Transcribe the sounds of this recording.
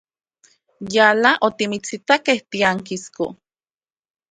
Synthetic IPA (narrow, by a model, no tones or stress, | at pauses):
jalaʔot̪imit͡sit̪akeht̪iaŋkisko̰